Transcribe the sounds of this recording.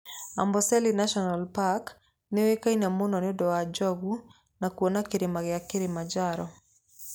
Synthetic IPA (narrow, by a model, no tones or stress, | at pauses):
a̰mbɔsɛlinaʃɔnalpak | newekainamonɔnɪdɔad͡ʒɔɡu | nakwonakɪɾɪmaɣɪakɪɾɪmad͡ʒaɾɔ